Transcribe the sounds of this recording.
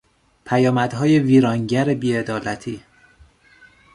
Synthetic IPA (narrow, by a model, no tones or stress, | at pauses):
pʰæjɒːmæd̪ɦɒːjeviːɾɒːŋɟæɾebiːe̞d̪ɒːlæt̪ʰiː